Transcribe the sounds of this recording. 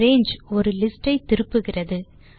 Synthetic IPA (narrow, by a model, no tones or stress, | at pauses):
eːnd͡ʒɔɾɯlɪsʈːɐɪt̪ɪɾɯpːɯɣɪrɐðɯ